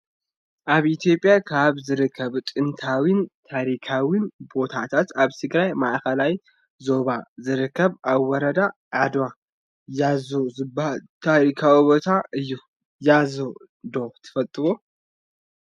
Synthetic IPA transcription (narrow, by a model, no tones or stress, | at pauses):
ʔaβit̪jo̞pʼːjakʰaβzɨɾɨkʰːɐβt̪ʼɨnt̪ʰawint̪ʰaɾikʰawinbo̞t̪ʰat̪ʰat̪aβt̪ʰɨɡɾajmaʔkɐlaj | zo̞βazɨɾɨkːɐβʔawːɔɾɐd̪aʕad̪wa | jazozɨblt̪ʰaɾikʰawibo̞t̪ʰaʔɨjːu | jazo | d̪ot̪ʰɨ̥fɐlt̪ʼɨβo̞